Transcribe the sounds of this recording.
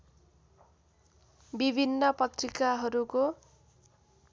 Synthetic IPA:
bibʱinːʌpʌt̪rikaɦʌɾuko

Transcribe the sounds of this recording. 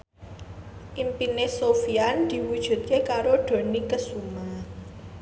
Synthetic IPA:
ʔimpinesofiand̪̥i̤wud̥ʒ̥ṳt̪̚kekaɾoɖ̪̥o̤nikəsuma

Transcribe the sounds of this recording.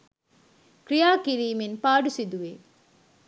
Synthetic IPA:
kɾijaːkiɾiːminpaːɖusid̪uʋeː

